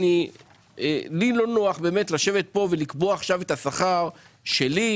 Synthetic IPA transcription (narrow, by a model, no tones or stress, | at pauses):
ni | enilo̞noaχbe̞ːmetlaʃe̞vet̪̚po̞velikboaːχʃavetasaχaʁ | ʃe̞li